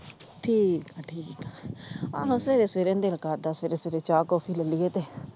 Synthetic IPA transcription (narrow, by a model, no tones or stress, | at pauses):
ʈʰiːkaʈʰiːkaã̰ːɦõsəʋeːɾesʋeːɾẽːnd̪eːlkaɾd̪aːsʋeːɾeːseːɾeːt͡ʃaːkoːpʰiːləliːeːt̪eː